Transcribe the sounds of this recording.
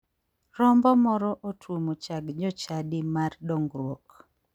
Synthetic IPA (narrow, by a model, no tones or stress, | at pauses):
rɔmbɔmɔɾɔʔotʰwomot͡ʃaɡd͡ʒɔt͡ʃadɪmardɔŋɡɾwok